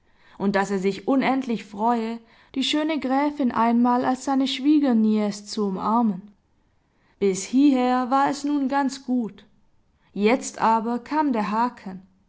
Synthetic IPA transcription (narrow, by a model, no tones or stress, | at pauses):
ʔʊnt̚d̥aseːɐzɪçʔʊnɛntʰlɪçfʁ̥ɔʏə | d̥iːʃøːnəɡʁɛːfɪnʔa̰ɪnmaːlalsz̥aɪnəʃv̥iːɡɐniɛst͡suʊmʔaɐmən | b̥ɪshiːɦeːɐvaːɐɛsnuːnɡant͡sɡ̥uːt | jɛt͡stʔaːbɐkʰaːmdeːɐɦaːkʰən